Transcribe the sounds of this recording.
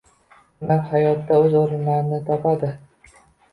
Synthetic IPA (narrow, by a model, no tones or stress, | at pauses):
naphajɒt̪ːaɵzoɾɪnlaɾɪnɪt̪ʰapʰad̪ɪ